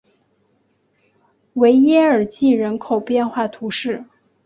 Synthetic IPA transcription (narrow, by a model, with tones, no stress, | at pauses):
we˧˥ɪjɛ˥ə˞˨˩t͡ɕi˥˩ɻə˧˥nkʰo˨˩ʊpjɛ˥˧nxwa˥˩t̪ʰu˧˥ʂɻ̩˥˩